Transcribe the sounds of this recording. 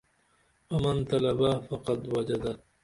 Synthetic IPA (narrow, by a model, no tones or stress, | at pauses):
wamant̪alabahfaqɑd̪wad͡ʒad̪a